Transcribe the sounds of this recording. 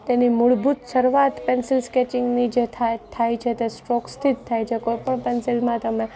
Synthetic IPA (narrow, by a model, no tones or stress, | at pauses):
t̪enimʊɭbut̪səɾʋat̪pɛnsɪlskɛt͡ʃɪŋɡnid͡ʒet̪ʰat̪ʰajt͡ʃʰet̪esʈɔkst̪ʰid̪t̪ʰajt͡ʃʰekojpəɳpɛnsɪlmãt̪əme